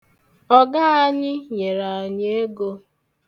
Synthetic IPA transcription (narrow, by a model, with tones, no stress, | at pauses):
ɔ˦ɡa˦a˦ɲɪ˦ɲe˨ɾa˨a˨ɲe˦e˦ɡo˦